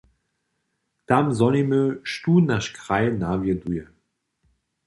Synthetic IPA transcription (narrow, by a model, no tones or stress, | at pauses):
d̥amzɔnimøʃtuːnaʃkʁaɪnavjədujə